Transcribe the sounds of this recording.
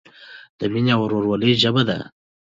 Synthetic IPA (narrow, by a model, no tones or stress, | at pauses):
d̪̥əminawɾoɾwaliʒəbad̪a̰